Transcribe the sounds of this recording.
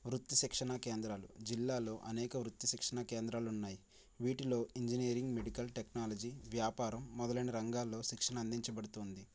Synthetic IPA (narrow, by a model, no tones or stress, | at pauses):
ʋɾut̪ːiʃikʂɐnɐke̞ːnd̪ɾaːlṵd͡ʒilːaːlo̞ːʔɐnɛːkɐʋɾut̪ːiʃikʂɐnɐke̞ːnd̪ɾaːlunːaːji | ʋiːʈilo̞ːiɲd͡ʒiniːɐɾiŋɡmeɖikɐlʈeknaːlɐd͡ʒiʋjaːpaːɾɐmːɔd̪ɐlɐniɾɐŋɡaːlːo̞ːʃikʂɐnɐɐnd̪iɲt͡ʃɐbɐɽut̪oːnd̪i